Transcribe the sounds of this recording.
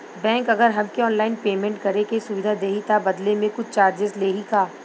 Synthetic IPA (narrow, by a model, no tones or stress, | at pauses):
bɛ̃ːŋkɐɡəɾɦɐmkeɔːnlaːɪnpeːmẽɳʈ̚kɐɾekesʊʋɪd̪ʱad̪eːɦit̪abɐd̪lemẽkʊt͡ʃʰt͡ʃaːɾd͡ʒɪzleːɦikaː